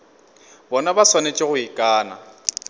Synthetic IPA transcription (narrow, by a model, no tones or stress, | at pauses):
bɔnabaswanet͡ʃʼɪɣʊikʼaːna̰